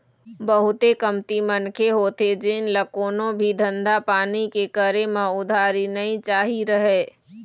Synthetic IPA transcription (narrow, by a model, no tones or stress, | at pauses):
bəɦʊt̪ekəmt̪imənkʰeɦoːt̪ed͡ʒɪnləkoːnõbʱid̪ʱə̃nd̪ʱapaːnikekəɾemãʊd̪ʱaːɾinəɦĩt͡ʃaːɦiɾəɦeː